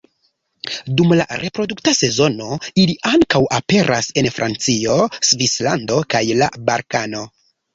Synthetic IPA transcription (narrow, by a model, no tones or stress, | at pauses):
dumla̰ɾʔe̞pɾo̞duktase̞zo̞no̞iliʔaŋkawʔape̞ɾʔase̞nfɾʔa̰nt͡sio̞svisla̰ndo̞kajla̰baɾkano̞